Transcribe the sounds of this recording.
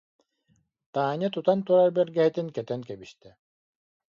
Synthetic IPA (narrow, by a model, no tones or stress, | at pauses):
t̪aːɲat̪ut̪ant̪uɾaɾbɛɾɡɛɦit̪inkɛt̪ɛnkɛbiʃt̪ɛ